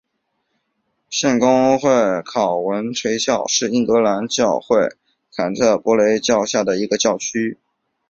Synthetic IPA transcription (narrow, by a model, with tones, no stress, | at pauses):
ɕjɛ˥˩nkʊ˥ŋxwe˥˩ɪkʰɑ˨˩ʊwə˧˥nʈ͡ʂʰwe˧˥ɪɕjɑ˥˧ʊʂɻ̩˥˧i˥˩nkɤ˧˥la˧˥nt͡ɕjɑ˥˧ʊxwe˥˩ɪ | t͡sʰa˨˩nt͡sʰɤ˥˩pwɔ˧˥le˧˥ɪt͡ɕjɑ˥˧ʊɕja˥˩d̪ə˩i˧˥ɡə˧t͡ɕjɑ˥˩ʊt͡ɕʰy˥